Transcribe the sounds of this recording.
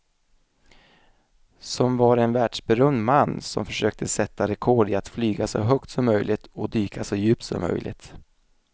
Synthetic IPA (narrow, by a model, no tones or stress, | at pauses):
sɔmvaɾɛnvæːɖʂbɛɾœmd̪manːsɔ̰mfœʂøːk̚t̪ʰəsɛt̪ːaɾɛkʰɔɖɪat̪flyːɡasɔ̰ɦœkt̪sɔmːœjlʔɪt̪ɔd̪yːkʰasɔjʉ̟ːp̚t̪sɔ̰mːœ̰jlʔɪ̰t̪